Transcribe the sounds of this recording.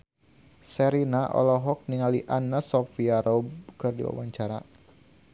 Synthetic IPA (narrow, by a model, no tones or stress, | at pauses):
sɛɾinaʔɔ̰lɔɦɔk̚niŋaliʔanasɔfiaɾɔb̚kɨrdḭwa̰waɲt͡ʃaɾa̰